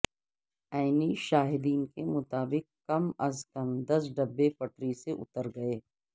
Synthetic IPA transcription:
aːɪniʃaːɦɪd̪iːnkemʊt̪aːbɪk̚ː | kɐmɐzkɐmd̪ɐs̬ɖɐbːepɐʈɾiseʔʊ̰t̪əɾɡɐeː

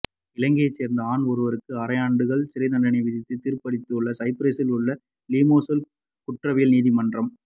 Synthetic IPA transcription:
ɪlɐŋɡeseːɾnd̪ɐaːnɔɾɯʋɐɾɯkːɯɐɾɐjaːɳɖɯɣɐɭsɪɾɐt̪ɐɳɖɐnɛɪʋɪðɪt̪ːɯt̪ːiːɾpɐɽɪt̪ːɯɯɭːɐsɐɪpɾeːsɪlʊɭːɐ | liːmoːsɐl | kʊʈrɐʋijlniːðimɐndrɐm

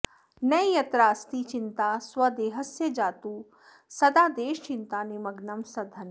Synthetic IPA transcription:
nɐjjɐt̪ɾaːst̪iːt͡ʃint̪aːswɐd̪eːɦɐsjɐd͡ʒaːt̪uː | sɐd̪aːd̪eːʃt͡ʃɪnt̪aːnemɐɡnɐmsɐd̪ʱɐn

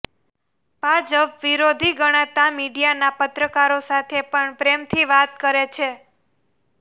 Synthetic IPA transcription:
bʱad͡ʒəpʋiɾod̪ʱiɡəɽ̃ãt̪amiɖijanapət̪ɾəkaɾosat̪ʰepəɳpɾemt̪ʰiʋat̪kəɾet͡ʃʰe

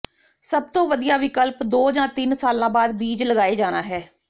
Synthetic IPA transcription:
səb̚t̪õːʋəd̪ijaːʋɪkəlpd̪oːd͡ʒãːt̪ɪnsaːlãːbaːd̪biːd͡ʒləɡaːeːd͡ʒaːnaːɦɛː

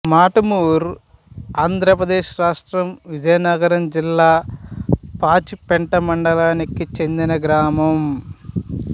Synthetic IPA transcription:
maːʈɐmuːɾ | aːnd̪ʱɾɐpɾɐd̪eːʃɾaːʂʈɾɐmʋid͡ʒɐjɐnɐɡɐɾɐmd͡ʒilːaː | paːt͡ʃipeɳʈɐmɐɳɖɐlaːnikit͡ʃe̞nd̪inɐɡɾaːmɐm

